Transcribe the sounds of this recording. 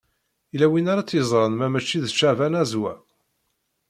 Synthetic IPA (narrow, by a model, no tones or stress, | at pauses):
ilæwinaɾat͡sːjəzˤɾˤənmæmæt͡ʃːiðət͡ʃːævænæzwæ